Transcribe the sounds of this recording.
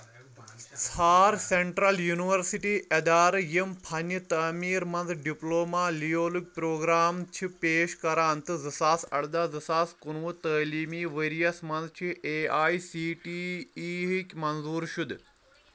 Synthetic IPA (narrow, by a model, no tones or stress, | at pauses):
t͡sʰaːɾseɳʈɾɐljuniʋɐɾsiʈiːʔɐd̪aːɾjimpʰɐnjɨt̪ɐːmiːɾmɐnzɖiploːmaːlijoːluk̚ʲpɾoːɡɾaːmt͡ʃʰipeːʃkɐɾaːnt̪ɨzɨsaːsɐ̰ɽd̪aːzɨsaːskunʋut̪əːliːmiːʋeɾijɐsmɐnzt͡ʃʰiʔeːaːjsiːʈiːɦikʲmɐnzuːɾʃud̪